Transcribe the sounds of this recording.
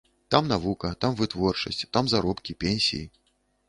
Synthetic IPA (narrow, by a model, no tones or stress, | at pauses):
t̪amnavukɐt̪amvɨt̪vɔrt͡ʂɐsʲt͡sʲt̪amzaɾɔpkʲipʲenʲsʲḭjḭ